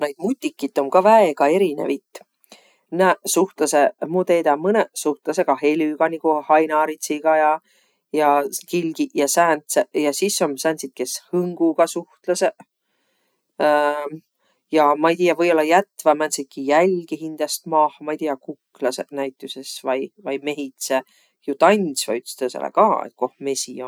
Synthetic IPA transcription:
nejd̪̚mut̪ʲːˑikːit̪ːˑo̞mkɑvæeɡ̥ɑe̞ɾinḛvit̪ːˑ | næsuht̪lɑsemut̪e̞ːd̪ɑmɤnesuht̪lɑseɡ̥ɑhe̞lʲyɡ̥ɑnʲikuhɑjnɑːɾit̪siɡ̥ɑjɑ | jɑkilɡ̥iʔjɑsæːnt̪sejɑsisːo̞msænsit̪̚ke̞shɯŋɡ̥uɡ̥ɑsuht̪lɑse | jɑmɑejt̪iːɑvɤjo̞lːɑjæt̪ːvɑmænsit̪̚kijælʲɡ̥iɦind̪̥ɑst̪mɑːhmɑeijt̪ijːɑkukːlɑsenæjt̪ːˑusesvɑjvɑjme̞ɦit̪se | jut̪ɑnʲsvɑ̰yt̪ːst̪esḛlḛkɑːḛt̪̚ko̞hme̞sion

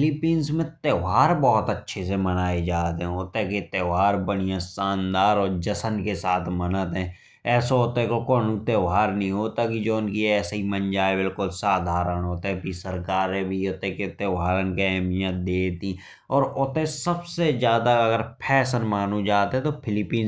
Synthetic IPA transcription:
fɪlɪpiːnsmẽt̪eːʋaːɾbɔːʊt̪ətːʃʰes̬emənaːed͡ʒaːt̪eɦɛ̃oːt̪eket̪eːaːɾbəɽijãsaːnd̪aːɾɔːɾd͡ʒəsənkesaːt̪ʰmənət̪ɦɛ̃ː | ɛːsoot̪ekokoːnũt̪eːʋaːɾnəɦĩɦoːt̪akid͡ʒoːʊnkiɛːsɦimənd͡ʒaːebɪlkʊlsaːd̪ʱaːɾənɦoːt̪ẽbʱisəɾkaːɾẽbʱioːt̪eket̪eːʋaːɾənkiɛɦmijãd̪eːt̪ĩ | ɔːɾot̪ẽsəbsezjaːd̪aɐɡəɾpʰɛːsənmaːnud͡ʒaːt̪eɦɛ̃t̪opʰɪlɪpiːn

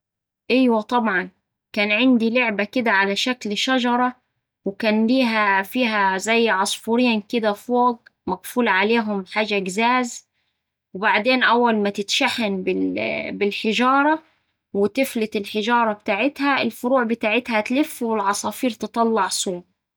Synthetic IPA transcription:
ʔæjwæt̪ˤɑbʕɑn | kæːnʕɪnd̪iloʕbækɪd̪æʕalæʃæklʃæʒɑɾˤɑ | wɪkæːnliːɦæfiːɦæzæjːʕɑsˤfuɾiːnkɪd̪æfoːɡmæɡfuːlʕaleːɦʊmħaːʒæɡzæːz | webaʕd̪eːnʔæwːælmæt̪ɪt̪ʃæħanbɪlbɪlħɪʒɑːɾˤɑ | wɪt̪ɪflɪt̪ɪlħɪʒɑːɾˤɑbt̪aːʕɪt̪hæʔɪlfʊɾuːʕbɪt̪aːʕɪt̪hæt̪lɪfːwɪlʕɑsˤɑːfiːɾt̪ɨt̪ˤɑlːɑʕsˤuːm

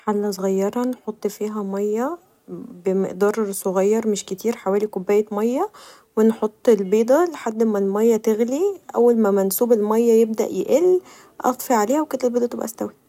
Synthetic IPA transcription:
ħalːæsˤoɣɑjːɑɾˤɑnħot̪ˤːfiːɦæmɑjːæ | bemeʔd̪ɑːɾˤsˤoɣɑjːɑɾˤmeʃket̪iːɾħawæːlikobːæːjemɑjːæ | wenħot̪ˤːelbeːd̪ˤæleħad̪ːmælmɑjːæt̪eɣliʔæ̰wːælmæmænsuːbelmɑjːæjebd̪æ̰ʔjḛʔel | ʔɑ̰t̪ˤfiʕaleːhæwekot̪ːælbeːd̪ˤɑt̪ebʔæ̰st̪æwi

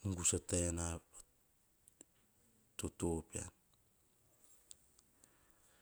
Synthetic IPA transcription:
uŋɡusataanaa | totopia̰n

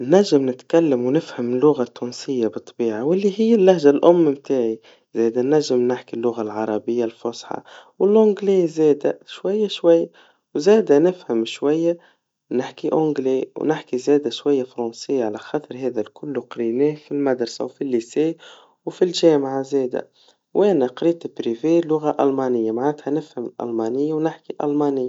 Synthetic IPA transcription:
næʒːɪmnɪt̪kalːəmwnɪfhamɪlːʊɣat̪ːuːnsɪjːabɨt̪ˤːbiːʕawɪlːiɦɪjːælːahʒalʔʊmːmt̪aːʕi | zɛːd̪ænæʒːɪmnɪħkilːʊɣalʕɑɾˤɑbɪjːalfʊsħɑ̰wɪlʕʊŋɡliːzɛːd̪æʃwajːaʃwajːa | wzɛːd̪ænɪfhəmʃwajːa | nɪħkiʔʔʊŋɡleːwnɪħkizɛːd̪æʃwajːafɾˤɑnsɪjːaʕalæxɑːt̪ˤɾˤɦɛːd̪ælkʊlːuqɾinɛːhfilmad̪ɾˤsa̰wfilːiseː | wfilʒɛːmʕazɛːd̪æ̰ | wʔɛnæqɾiːt̪bɾivelʊɣaʔɑlmɑnɪjːamaʕat̪hænɪfhəmɪlʔɑ̰lmɑːnɪjːawnɪħkiʔɑ̰lmɑnɪjːa

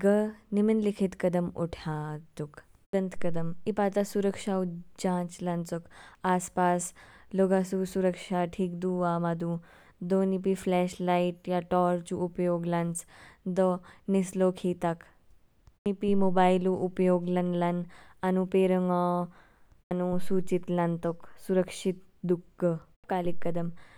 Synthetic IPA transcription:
ɡəniminlikʰit̪kəd̪əmṵʈʰad̪uk | dənt̪kəd̪əmipat͡sasuɾəkʂaud͡ʑãːt͡slant͡sokaːspasloɡasusuɾəkʂaʈʰiːkd̪uːamad̪ũ | d̪onip̬iflɛɕlaiʈ̚jaʈɔɾt͡ɕuːpjoɡlãnt͡sd̪ənislokʰit̪ak | nipimobailuʔupjoɡlənlananupeɾəŋɡa | anũsut͡ɕit̪lãnt̪əksuɾəkʂit̪̚d̪uɡə | kalikːəd̪əm

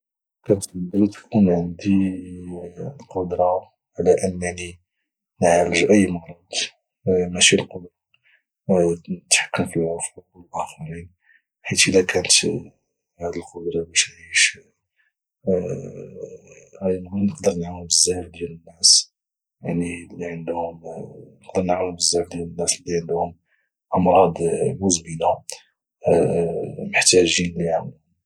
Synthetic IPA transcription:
kænət̪əb̪ælit̪kʰunʕənd̪i | lqod̪ɾˤɑ | ʕlæʔənːæni | nʕaləʒʔəjːmɑɾˤɑd̪ | mæʃilqod̪ɾˤɑ | t̪ħḁkːəmfilʕofuwəlʔæxɑɾin | ħit̪əlækænət̪ | hæd̪əlqod̪ɾˤɑbæʃʕiʃ | hæjmɡnəqd̪əɾnaʕməbəzːæjəfd̪jælənːæs | jaʕnilːiʕənd̪hʊmnəqd̪əɾnəʕməbəzːæjəfd̪jælənːæslːiʕənd̪hʊm | ʔɑmɾˤɑd̪ˤmuzbinæ | məħt̪æʒinliʕamm

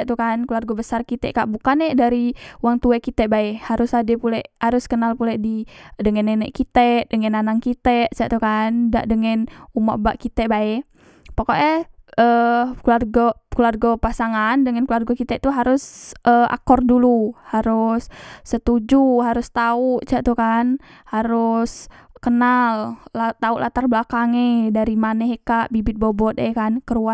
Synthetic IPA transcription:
aʔt̪ukankularɡɔbəsarkit̪ɛ̰ʔka̰ʔbukanɛʔdaɾiwaŋt̪uɛkit̪ɛʔbaɛhaɾʊsadɛpulɛʔhaɾʊskənalpulɛʔdidəŋɛnɛnɛʔkit̪ɛʔdəŋɛnanaŋkit̪ɛʔsaʔt̪ukanda̰ʔdəŋɛnuma̰ʔbaʔkit̪ɛʔbaɛ | pakoʔɛəkularɡɔkəlarɡɔpasaŋandəŋənklarɡɔkit̪ɛʔt̪uɦaɾʊsʔəa̰kɔrduluhaɾʊsːət̪ud͡ʒuɦaɾʊst̪auʔt͡ʃaʔt̪ukanhaɾʊskənallat̪auʔlʔat̪arblakaŋedaɾimanɛɦekaʔbibɪt̪̚bobɔt̪̚ekankəɾua

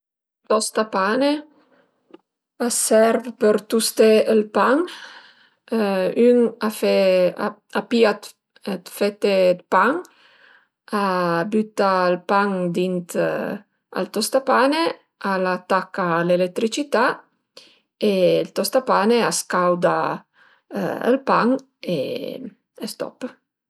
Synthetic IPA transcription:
t̪ɔst̪apane | asɛɾvpəɾt̪ust̪eəlpaŋ | yŋafea̰apiat̪ | at̪fet̪ːed̪paŋ | abyt̪aəlpaŋd̪int̪ | a̰lt̪ost̪apane | alat̪ːakːalelet̪ːɾit͡ʃit̪a | elt̪ost̪apaneaskawd̪a̰ | ə̰lpaŋ | ḛ | est̪ɔ̰p

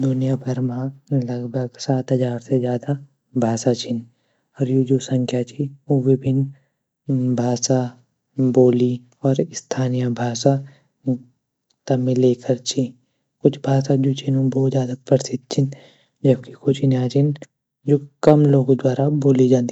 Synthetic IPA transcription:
d̪ʊnijabʱɐɾmãlɐɡbʱɐɡsaːt̪ɦɐd͡ʒaːɾsezjaːd̪a | bʱaːsat͡ʃʰɪn | ɔːɾjud͡ʒosɐ̃ŋkʰjat͡ʃʰiʊʋebʱɪn | bʱaːsa | boːli | ɔːɾɪst̪ʰaːnijabʱaːsa | t̪ɐmẽleːkʰɐɾt͡ʃʰi | kʊt͡ʃʰbʱaːsad͡ʒot͡ʃʰinũbɔːt̪zjaːd̪apɐɾsɪd̪̚t͡ʃʰɪn | d͡ʒɐb̚kikʊt͡ʃʰinjaːt͡ʃʰɪn | d͡ʒokɐmloːɡd̪waːɾaboːlid͡ʒãːnd̪i

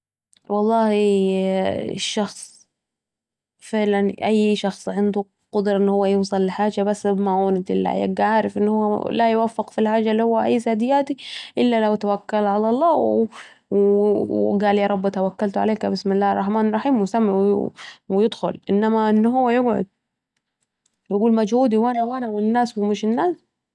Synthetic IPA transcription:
wɑlˤːɑːhi | ʃːɑxsˤ | fɪʕlanʔajːʃɑxsˤʕɪnd̪u | qɑd̪ɾˤɑʔɪnːhʊwːajuːsˤɑlːɪħaːd͡ʒabasːmaʔuːnɪt̪ʔɪ̰lːa̰ja̰ɡaʕaːɾɪfʔɪnːhʊwːalajwafːɪqfilħaːd͡ʒalːihʊwːaʔajːzaːd̪ɪjːaːt̪iʔɪlːalawt̪awakːalʕalɑlˤːɑːw | w | ɡaːljɑːɾˤɑbːt̪awakːalt̪ʊʕa̰leːkabɪsmɪlːaːhrˤːɑħmaːnrˤɑħiːmwsamɪʕwwɪjɪd̪xʊ̰lʔɪnːamaʔɪnːɦʊwːajʊɡʕʊ̰d̪̚ | jɪɡuːlmad͡ʒhuːd̪iwʔanawʔanawɪnːaːswɪmɪʃɪnːaːs

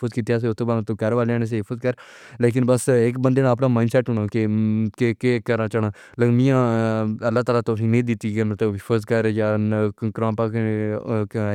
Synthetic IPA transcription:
uːzkiːt̪jaːs̬eʊt̪ʰːõːbaːt̪õːkəɾʋaːleaːnːs̬eɪfʰəzkəɾ | leːk̬ɪnbəsɪkbənd̪eːnãːəp̬nãːmaːɪnɖsɛːʈɦʊɳãːkekekekəɾãːt͡ʃəɳaː | ləmĩãːəlːaːt̪aːlaːt̪osĩːnẽːd̪ɪt̪ːiːɡeñːt̪õːɪpʰəzkəɾjaːkɾãːpaːk

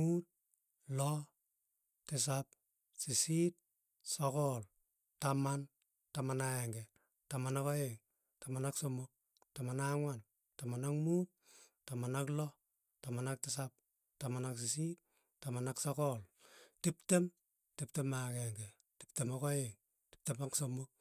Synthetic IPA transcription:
muːt̚ | lɔ | tɪs̬ap̚ | sisit̚ | sɔkɔl | taman | tamanaɛŋɡɛ | tamanakɔeŋ | tamanaksomʊk̚ | tamanaŋwan | tamanakmuːp̚tamanaklɔ | tamanak̚tɪsap̚ | tamanaks̬isit̚ | tamanaksɔkɔltiptem | tiptemakɛŋɡɛ | ti̥ptemakɔeŋ | ti̥p̚temaksomʊk̚

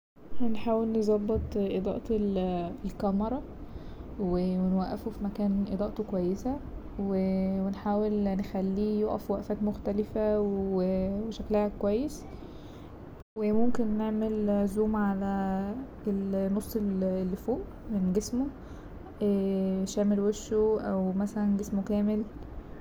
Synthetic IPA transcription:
hænħaːwelnezˤɑbːet̪ˤʔed̪ˤɑ̰ʔt̪elelkæmɑɾˤɑ | wewenwæʔːæfufimækæːnʔed̪ˤɑːʔt̪okowæjːesæ | wewenħaːwelnexælːiːjoʔæ̰fwæʔfæːt̪moxt̪ælefæweweʃæklæhækowæjːes | wemomkenːeʕmelzuːmʕalæ | elnːosˤːellːifoːʔ | menɡesmo | ʃæʕmelweʃːoʔæwmæsælænɡesmokæːmel

